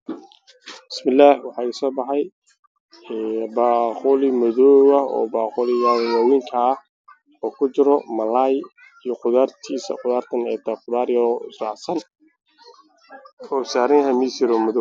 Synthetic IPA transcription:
b̥ɪsmɪlːaːhwɑħɑːsɔːbɑħɑj | ɛːbaːqʊlɪmɔðɔːwɐɔ̰ːbaːqʊlɪjawaːwiŋkʰɐːh | ɔːkʰʊt͡ʃɪɾɔmɐlaːj | ijɔqʊðaːrt̪ʰiːsɐ̰qʊðaːrt̪ʰɐnɛːt̪ʰɐqʊðaːɾjɔsrɑʕsɐn | ɔːsaːɾɪŋhɐmisɪɾɔmɔðɔ

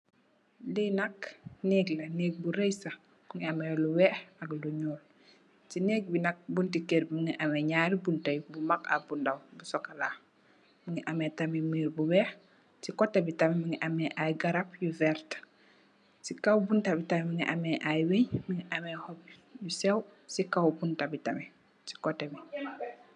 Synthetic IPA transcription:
dijnɐknɛɡlɐnɛːɡ̚buɾejsɐ | buŋiamɛluwɛxɐɡluɲɔːl | tinɛːɡ̚binɐk̚buntikeɾmiŋiʔamɛɲaːɾibuntɐjbumaka̰bundɐwbusɔkːɐla | miŋiʔamɛtɐmimiːɾbuwɛːx | sikɔtːɐbitɐmɛmiŋɡiʔɐmɛʔajɡɐɾapjuvɛɾt | sikɐwbuntɐbitɐmɛmiŋiʔamɛʔajweɲmiŋiʔɐmɛhɔb̚jusɛwsikawbuntɐbitɐmɛ | si̥kɔtːɛbi

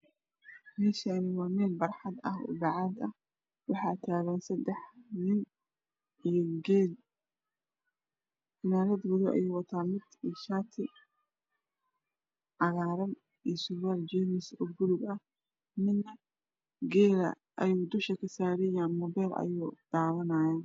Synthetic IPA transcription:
mɛːʃɐnɪɣwɑːmɛːlbɐrħɑd̪ɐ̰hʊ̰bɑʕɑːd̪ɐh | wɑħɑːt̪ʰaːɣɛnsɐd̪ɛħnɪn | iɡɛl | ɪnaːɾɐd̪wʊðʊʔɐ̰jɛːwɑt̪ʰaːmɪd̪iʃaːt̪ʰɪ | ʕɑɣaːɾɐn | isʊwaːld͡ʒɛnɪsɔːbʊðʊɡɐ | mɪnnɐ | ɡɛːlɐ̰ | ʔɐjuːd̪ʊʃɐkʰɐsaːɾɛjaːnmɔːbɛːlʔɐ̰juːqɑːðɐnɐjaː

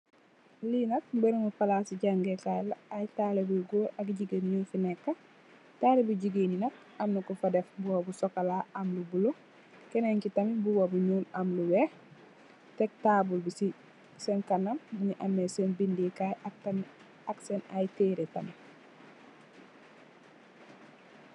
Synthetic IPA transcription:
linɐt̚benumupalasiɟaŋɡekajlaajtalebulɡoʔɐkɟiɡenɲuːnfinɛkːa | taːlebuɟiɡeninɐt̚ | ɐmnukufadefbuwabusokalaʔamlubulo | keneɲkitɐmibuwabuɲoːnamluweh | tek̚taːbulbisi | senkanɐmːuɲiʔamːesenbindikajak̚tan | aksenajteːɾetɐmi

